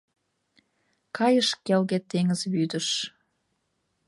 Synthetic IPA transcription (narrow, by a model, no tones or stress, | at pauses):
kʰɑjəʃkelɣet̪eŋəzβyd̪əʃ